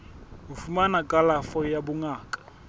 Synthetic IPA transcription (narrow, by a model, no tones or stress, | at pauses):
ʊfumanakʼalafɔjabʊŋaːkʼḁ